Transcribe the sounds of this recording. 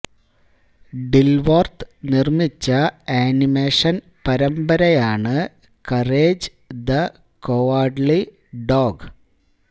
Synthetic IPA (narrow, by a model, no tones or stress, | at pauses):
ɖilʋort̪ɨnirmit͡ɕːɐaːnimeːʂɐn | pɐɾɐmbɐɾɐjaːɳɨ | kɐreːd͡ʑ | d̪ɐ | koaːɖli | ɖoːɡ